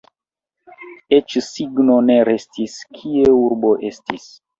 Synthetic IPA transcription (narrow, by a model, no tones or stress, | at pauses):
et͡ʃsiɡno̞ne̞ɾe̞stiskʰieuɾbo̞ʔe̞stis